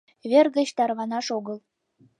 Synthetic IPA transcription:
βʲerɣə̆t͡ɕt̪ɑrβɑnɑʃoɣəl

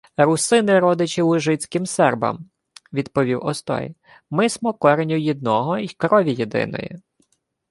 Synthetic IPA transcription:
ɾʊsɪnɪɾɔd̪ɪt͡ʃɪwʒɪt͡sʲkɪmsɛrbɐ̰m | ʋʲid̪pɔʋʲiwɔst̪ɔ̰j | mɪsmɔkɔɾenʲʊjid̪nɔɦɔikɾɔʋʲijid̪ɪ̰nɔ̰jḭ

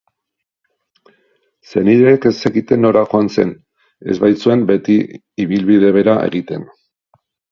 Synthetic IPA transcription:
se̞niɾeːke̞seɣit̪e̞nːo̞ɾaxo̞anse̞̰n | e̞̰zβajt͡sue̞mbe̞t̪i | iβilβið̞e̞β̞e̞ɾaʔe̞̰ɣit̪e̞n

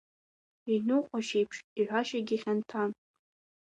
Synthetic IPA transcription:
inɨqʷʼaʃejpʰʂiħʷaʃaɡʲiχʲantʰan

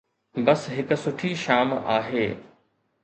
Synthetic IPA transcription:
bɐsɦɪkʊ̆sʊʈʰiʃaːma̰ːɦeː

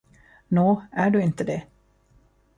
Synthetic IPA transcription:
noːæɖɵɪnt̪əd̪ɛ

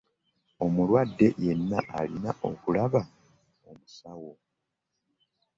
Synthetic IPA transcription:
o̞mulwadːe̞je̞nːaʔalinaʔo̞kulaβa | o̞musawo̞

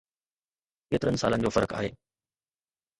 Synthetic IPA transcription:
keːt̪ɪɾənɪ̆saːlənɪ̆d͡ʑoːfɐɾəka̰ːɦeː

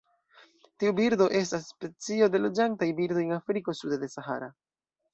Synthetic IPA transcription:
tiubiɾdo̞ʔe̞s̬tasːpe̞t͡sio̞de̞lo̞d͡ʒantajbiɾdo̞jenafɾiko̞sudode̞saɦa̰ɾa

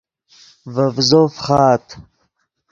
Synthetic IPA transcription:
vəvzofχɑːt̪

